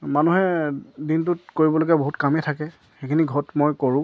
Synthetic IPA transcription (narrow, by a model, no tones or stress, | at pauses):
manuɦɛdint̬ʊtkoɹibɔloɡaboɦutkamɛtʰakɛ | xekʰiniɡʱɔtmojkoɹʊ̃